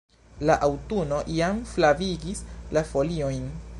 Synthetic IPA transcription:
laʔawtuno̞ʔijamflaviɡislafo̞lio̞jn

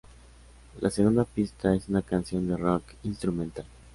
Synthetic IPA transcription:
lʔa̰seɣund̪apist̪ae̞sunakansjo̞nd̪e̞rok | inst̪ɾumẽnt̪al

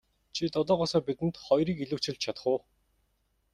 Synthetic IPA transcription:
t͡ɕʰit̪ɔt̪ɔːʁʊːsɔːrpit̪ɘ̆nt̪χɔjɾiːkiɮŭwt͡ɕɪ̆ɮt͡ɕt͡ɕʰat̪ə̥̆χʊː

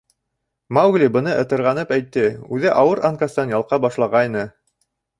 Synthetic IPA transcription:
mawɡlʲibɤ̆nɤʔɤ̆t̪ɤ̆ɾʁɑnɤpæjt̪ːɘʉðɘʔɑwɤɾʔaŋkast̪ɑnjɑlˠqɑbɑʃlˠɑʁɑjnɤ

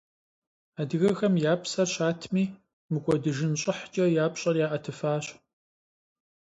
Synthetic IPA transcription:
aːdɨɣɐxɐmjaːpʰsɐrɕaːtʰmiː | mɨkʷʼɔdɨʒɪnɕʼɪħt͡ʃʼɐjaːpɕʼɐrjaːʔɐtʰɨfaːɕ

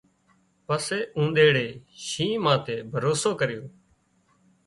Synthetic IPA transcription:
pəseːũːnd̪eːɽeːʃĩːmãːt̪eːbʱəɾoːsoːkəɾɪjoː

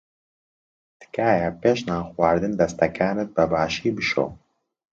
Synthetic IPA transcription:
t̪ɨ̥kaːjɛpeːʃnaːxwaːɾd̪ɨnd̪ɐst̪ɐkʰaːnɨt̪̚bɐbaːʃiːbɨʃo̰ː

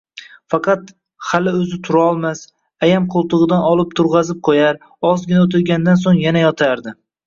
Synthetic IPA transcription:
fɑqʰɑt̪ | halɪɵzɪt̪ʰʊɾaɒlˠmas | ajamqʰolˠt̪ʰɨʁɨd̪anɒlˠɪp̚t̪ʰʊɾʁɑzɪp̚qʰojaɾ | ɒzɡʲɪnaot̪ʰɪɾɡʲand̪ans̬oŋjanajɒt̪ʰaɾd̪ɪ

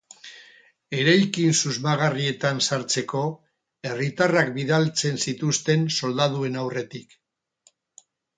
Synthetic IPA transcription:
e̞ɾajkinsuzmaɣarie̞t̪ansaɾt͡se̞ko̞ | e̞rit̪arakbiðalt͡se̞nsit̪ust̪e̞nso̞ld̪aðue̞nawre̞t̪ik

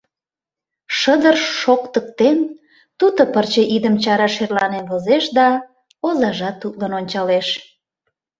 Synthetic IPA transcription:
ʃəd̪ərʃːokt̪ək̚t̪en | t̪ut̪opərt͡ɕeʔid̪əmt͡ɕɑɾɑʃerlɑnenβozeʃd̪ɑ | ozɑʒɑt̪ːut̪lɑnonʲt͡ɕɑleʃ

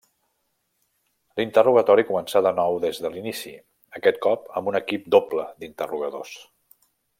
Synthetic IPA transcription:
lint̪əruɣət̪ɔɾikumənsaðənɔwðezðəlinisḭ | əkɛt̪̚kɔpəmbunəkip̚d̪opləd̪int̪əruɣəðos

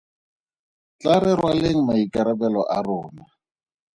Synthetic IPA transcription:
t͡ɬaɾɛɾwaleŋ̩maikaɾabɛlɔʔarʊːna

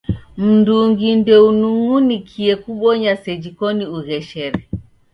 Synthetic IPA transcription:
m̩nduŋɡindɛunuŋunikʰiɛkuɓɔɲasɛd͡ʒikɔniuɣɛʃɛɾɛ

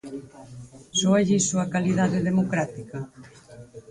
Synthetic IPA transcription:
sɔaʎisoakaliðaðeðemokɾat̪ikɐ

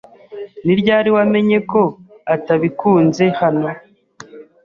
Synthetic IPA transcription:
niɾɟaːɾiwame̞ɲe̞ko̞ | ataβikuːnze̞hano

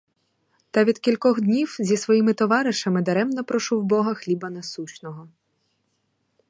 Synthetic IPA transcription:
t̪ɐʋʲid̪kʲilʲkɔɣd̪ʲnʲiwzʲisʋɔjimɪt̪ɔʋɑɾɪʃɐmɪd̪ɐɾɛmnɐpɾɔʃuwbɔɦɐxlʲibɐnɐsut͡ʃnɔɦɔ

